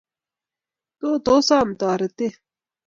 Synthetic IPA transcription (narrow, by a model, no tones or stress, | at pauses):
t̪oːt̪oːsaːmt̪ɑːɾɐt̪e